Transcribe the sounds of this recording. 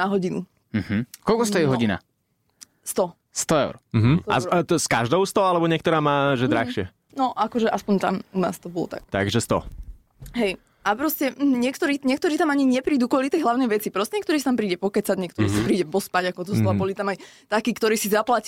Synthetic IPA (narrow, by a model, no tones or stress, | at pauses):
aɦɔɟinṵ | ɦ̩kɔlkɔst̪ɔjɛɦɔɟina̰ | st̪ɔ | st̪ɔɛʊɾm̩ɦ̩a̰skaʒd̪ɔʊst̪ɔalɛbɔɲɪɛkt̪ɔɾaːmaːʒɛd̪ɾaxʃɪɛ | nɔʔakɔʒɛʔaspɔɲt̪amuna̰ːst̪ɔbɔlɔ̰t̪a̰kt̪a̰ɡʒɛst̪ɔ̰ | ɦɛj | ʔapɾɔscɛɲɪɛkt̪ɔɾiːɲɪɛk̚t̪ɔɾiːt̪amaɲiɲɛpɾiːd̪uːkɔlit̪ɛjɦlaʊnɛjʋɛt͡sipɾɔscɛɲɛkt̪ɔɾiːst̪ampɾiːɟɛpɔkɛt͡sad̪ɲɛkt̪ɔɾḭːsapɾiːɟɛpɔspaɟakɔt̪ɔst̪abɔlit̪amajt̪akiːkt̪ɔɾiːsizaplac